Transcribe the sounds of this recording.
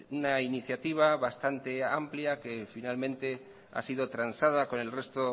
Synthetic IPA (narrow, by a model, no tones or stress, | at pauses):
unainiθjat̪iβ̞aβast̪ant̪e̞ampljake̞finalmẽnt̪e̞ | a̰sið̞o̞t̪ɾansað̞ako̞ne̞lre̞st̪o